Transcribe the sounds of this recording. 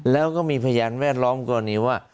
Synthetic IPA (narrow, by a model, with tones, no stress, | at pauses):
lɛː˦˥wkɔː˥˩miː˧pʰa˧jaː˧nwɛː˥˩t̪̚lɔː˦˥mkɔː˧niː˦˥˩waː˥˩